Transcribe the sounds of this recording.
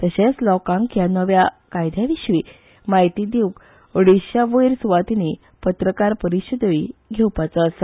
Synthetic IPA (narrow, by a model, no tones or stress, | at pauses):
t̪əɕet͡slɔkãŋkjanəʋja | kajd̪ʱjaʋiɕʋi | maɦjt̪id̪iwk | oɽiɕjaʋəjɾsuʋat̪ini | pət̪ɾəkaɾpəɾiɕəd̪əiɡʱewpat͡sas